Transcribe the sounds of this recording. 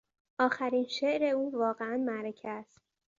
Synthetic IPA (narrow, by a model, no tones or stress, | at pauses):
ʔɒːxæɾinʃeʔɾe̞uːvɒːɣeænmæɾecʰææst̪̚